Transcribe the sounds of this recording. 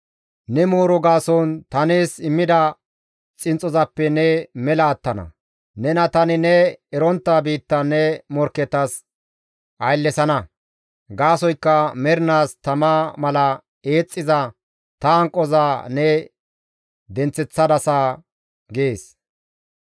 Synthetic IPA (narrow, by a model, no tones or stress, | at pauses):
nɛmoːɾɔɡaːsɔnt̪ɐne̞ːsɪmːɪd̪ɐ | t͡sʼɪnt͡sʼɔzɐpːɛnɛmɛlɐːt̪ːɐnɐ̰ | nɛnɐt̪ɐnɪnɛɛɾɔnt̪ːabiːt̪ːɐnːɛmɔɾkːɛt̪ːɐs | ʔɐjlːɛsɐnɐ | ɡaːsɔjkːɐmɛɾnaːst̪ɐmamɐlɐ | e̞ːt͡sʼːɪzɐ | t̪ɐŋkʼːɔzaːnɛ | d̪ɛnt͡sːɛt͡sːɐd̪ɐsaː | ɡeːs